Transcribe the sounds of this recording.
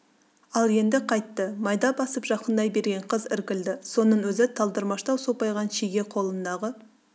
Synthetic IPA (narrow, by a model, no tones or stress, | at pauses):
ɑlˠje̞nd̪ɪqʰɑjt̪ːəmɑjd̪ɑbɑsəpʒ̥ɑqənd̪ɑjbe̞ɾɡʲe̞ɴqʰəzɪɾkʲɪld̪ɪso̞nənwɵzɪt̪ʰɑlˠd̪əɾmɑʃt̪ɑwso̞pɑjʁɑnʃiɡʲe̞qʰo̞lˠənd̪ɑʁə